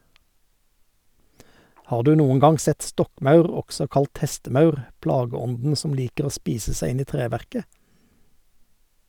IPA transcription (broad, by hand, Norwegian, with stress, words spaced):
ˈhɑːʁ ˈdʉː ˈnuːən ˈɡɑŋ ˈsɛt ˈstɔkˌmɑʉʁ ˈɔɡsɔ ˈkɑlt ˈhɛstəˌmɑʉʁ ˈplɑːɡəˌɔndn̩ ˈsɔm ˈliːkəʁ ˈoː ˈspiːsə ˈsæɪ ˈɪn ˈiː ˈtʁeːˌʋæʁkə